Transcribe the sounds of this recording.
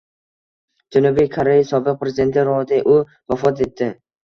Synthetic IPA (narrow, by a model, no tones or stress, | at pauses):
d͡ʒanubijkʰoɾejasɒbɪq̚pʰɾezɪd̪e̞nt̪ʰɪɾɒd̪ɪʔʊ | vafɒt̪̬e̞t̪ːɪ